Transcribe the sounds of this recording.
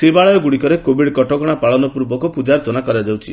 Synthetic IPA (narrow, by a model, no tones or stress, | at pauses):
sebaɭɔjɔɡuɽikɔɾekobiɽkɔʈɔɡɔɽ̃apaɭɔnɔpuɾbɔkɔpud͡ʒaɾɔtɔnakɔɾad͡ʒawt͡ʃʰi